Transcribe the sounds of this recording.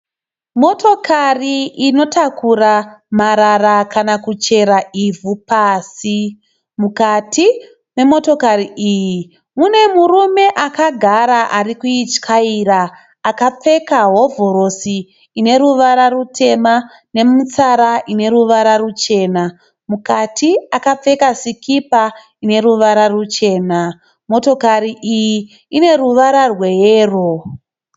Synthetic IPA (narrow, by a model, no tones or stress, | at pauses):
mo̞to̞kʰariino̞takuramaɾarakanakut͡ʃe̞ɾaivʱupaːsi | mukati | ne̞mo̞to̞kariʔiːji | mune̞murume̞ʔakaɡʱaɾaʔarikuit͡ʃkʰairaː | kap͡fe̞kaɦo̞vʱoɾo̞si | ine̞ɾuʋaɾarutʰe̞ma | ne̞mut͡saɾaʔine̞ɾuʋaɾarut͡ʃe̞ːna | mukatʰiakap͡fe̞kasikʰipa | ine̞ruʋaɾarut͡ʃe̞ːna | mo̞to̞kariʔiji | ine̞ruʋaɾarwe̞jeːro